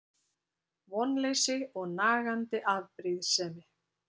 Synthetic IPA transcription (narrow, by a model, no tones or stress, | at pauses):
vɔnːlejsɪɔɣnaːɣant̪ɪʔavpɾiðsɛːmɪ